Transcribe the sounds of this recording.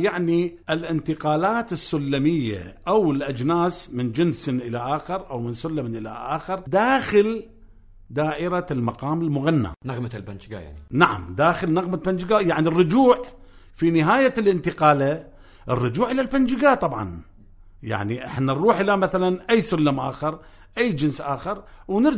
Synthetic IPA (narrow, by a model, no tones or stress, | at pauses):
jaʕniʔɪlʔɪnt̪ɪqaːlaːt̪ɪsːʊlːamɪjːa̰ʔawɪlʔad͡ʒnaːsmɪnd͡ʒɪnsɪnʔɪlaʔaːxɪɾʔawmɪnsʊlːamnʔɪla̰ʔa̰ːxɪɾd̪aːxɪl | d̪aːʔɪɾalmɑqɑːmɪlmʊɣanːa̰naɣmalband͡ʒɡa̰ja̰ʕnnaʕa̰md̪aːxɪlnɪɣmaband͡ʒɪɡaːjaʕnirˤːʊd͡ʒuːʕ | finɪɦaːjalʔɪnt̪ɪqaːla | ʔɪrˤːʊd͡ʒuːʕʔɪlalband͡ʒɪɡaːt̪ˤɑbʕɑ̰n | ja̰ʕniʔɪ̰ħnːanɾuːħʔɪlamaθalanʔajːsʊlːamʔaːxɑɾˤ | ʔajːd͡ʒɪnsʔaːxɑɾwnɪɾ